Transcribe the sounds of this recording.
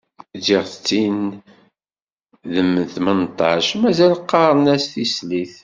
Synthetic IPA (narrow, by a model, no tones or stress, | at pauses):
d͡ʒiʁθət͡sːin | ðəmːənθmənt̪ˤːɑ̰ʃmæzælqːɑɾˤənæsθisliθ